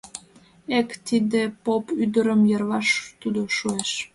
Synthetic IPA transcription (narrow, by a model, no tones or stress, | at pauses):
ekt̪id̪epopyd̪əɾəmjərβɑʃt̪ud̪oʃueʃ